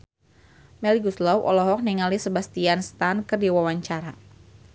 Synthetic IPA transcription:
mɛliɡuslɔwʔɔ̰lɔɦɔk̚niŋalisəbast̪ianst̪ankɨrdiwawaɲt͡ʃaɾa

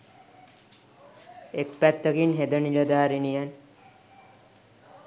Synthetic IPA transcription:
ekpæt̪ːəkinɦed̪əniləd̪aːɾinijan

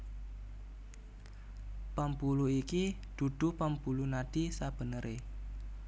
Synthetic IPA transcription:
pampuluikid̪̥ṳd̪̥ṳpampulunaɖ̪̥isab̥ə̤nəɾʔe

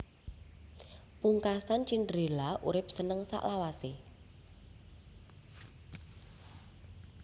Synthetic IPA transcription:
puŋkasant͡ʃindɾelaʔṵɾɪp̚sənəŋsa̰ʔlawase

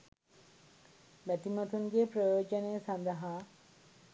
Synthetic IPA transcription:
ʋæt̪imat̪uŋɡepɾəjoːd͡ʒənejsand̪əɦa

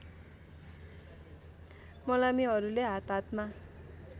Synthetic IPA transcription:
mʌlamiɦʌɾuleɦat̪ɦat̪ma

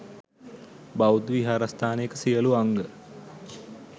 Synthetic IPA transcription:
bawd̪ʋiɦaːɾast̪ʰaːnəjekəsijəluaŋɡə

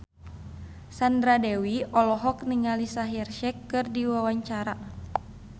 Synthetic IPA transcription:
sandɾadɛwiɔlɔɦɔk̚niŋalisaɦɛrʃɛkːɨrdiwawaɲt͡ʃaɾa

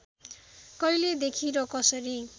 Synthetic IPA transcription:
kʌjled̪ekʰiɾʌkʌsʌɾi

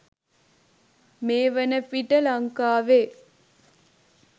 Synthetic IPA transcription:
meːʋənəpiʈəlɐŋkaːʋeː

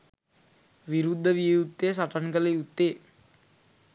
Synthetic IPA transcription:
ʋiɾud̪ʱːəʋijut̪ːes̬aʈankələjut̪ːeː

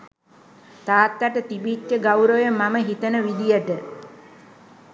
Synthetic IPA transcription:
t̪aːt̪ːaʈət̪ibitjəɡawɾojəmaməɦit̪ənəʋid̪ijəʈə

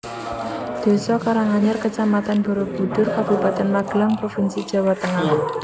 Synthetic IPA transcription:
d̪̥e̤sɔkaɾaŋaɲarkət͡ʃamat̪anbɔ̤ɾob̥ṳd̪̥ʊrkab̥ṳbat̪anmaɡ̥laŋpɾofinsid̥d͡ʒ̥a̤wat̪əŋah

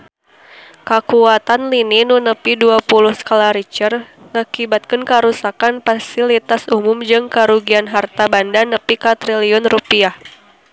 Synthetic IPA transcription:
kakuat̪anlininunəpiduapulʊhskalaɾit͡ʃər | ŋakibat̪̚kənkaɾusakanfasilit̪asumʊmd͡ʒɨŋkaɾuɡianɦart̪abandanəpikat̪ɾiliɔnrupiah

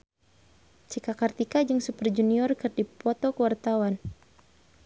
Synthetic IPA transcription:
t͡ʃikakart̪ikad͡ʒɨŋsupərd͡ʒuniɔrkɨrdipɔt̪ɔkəwart̪awan

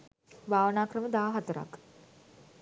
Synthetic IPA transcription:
ʋaːʋnaːkɾəməd̪aːɦɐt̪əɾa̰k

